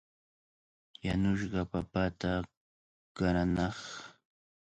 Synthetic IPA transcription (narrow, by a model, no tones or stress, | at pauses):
janʊʃɢɑpapat̪a | kaɾanɑχ